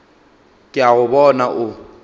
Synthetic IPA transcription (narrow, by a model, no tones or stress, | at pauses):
kʼɪaɣʊbɔnaʔʊ